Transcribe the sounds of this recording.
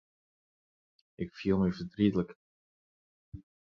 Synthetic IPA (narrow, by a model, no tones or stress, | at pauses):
ʔɪkfilˠməjvədritələk